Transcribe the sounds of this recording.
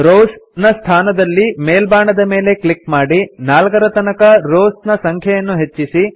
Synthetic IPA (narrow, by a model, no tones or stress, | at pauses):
ɾoːsnɐst̪ʰaːnɐd̪ɐlːimeːlbaːɳɐd̪ɐme̞ːle̞klikmaːɽinaːlkɐɾɐt̪ɐnɐkɐɾoːsnɐsɐŋkʰjɐjɐnːuɦe̞t͡ʃːisi